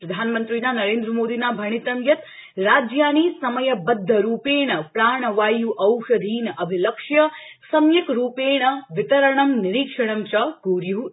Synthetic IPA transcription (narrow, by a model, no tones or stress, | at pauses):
pɾɐd̪ʱaːnmɐnt̪ɾiːnaːnɐɾeːnd̪ɾɐmoːd̪iːnaːbʱɐɳ̃it̪ɐmjɐt̪ | ɾaːd͡ʒjaːniːsɐmɐjɐbɐd̪ʱːɐɾuːpeːɳɐpɾaːɳ̃ɐʋaːjuʔɐwʂɐd̪ʱiːnɐbʱilɐkʂjɐsɐmjɐkɾuːpeːɳɐʋit̪ɐɾɐɳɐmniɾikʂɐɽ̃ɐmt͡ʃɐɡuːɾju